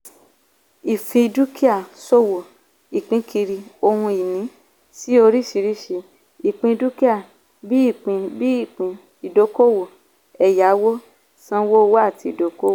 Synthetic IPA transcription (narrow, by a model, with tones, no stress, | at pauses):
i˨fĩ˧i˧du˦ki˦a˦˨so˦wo˨ | i˨k͡pĩ˧˦kʰi˧ɾi˧o˧hũ˧i˨nĩ˨˦ | si˦o˧ɾi˦ʃi˧ɾi˦ʃe˧ | i˨k͡pĩ˧du˦ki˦a˦˨ | bi˦i˦˨k͡pĩ˧bi˦i˦˨k͡pĩ˧ | i˨do˨˦ko˦wo˨ | ɛ˨ja˨˦wo˦ | sã˦wo˦˧wo˦a˦˨ti˧i˨do˨˦ko˦˨